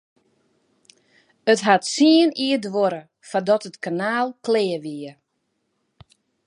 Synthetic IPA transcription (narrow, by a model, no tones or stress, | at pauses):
ətɦatsiəniədʋoɾə | fadɔtətkanaːlˠkleːʋiə